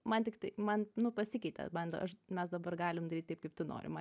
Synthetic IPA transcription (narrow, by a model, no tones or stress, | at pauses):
mɐnt̪ʲɪkt̪ɐɪmɐnnʊpɐsʲɪkʲɛɪt̪ʲɛ̰bɐnd̪ɐ̰ʔɐʃmʲɛsd̪ɐbɐrɡɑːlʲɪmd̪ɐɾʲiːt̪kɐɪpkɐɪp̚t̪ʊno̰ːɾʲɪ̰mɐ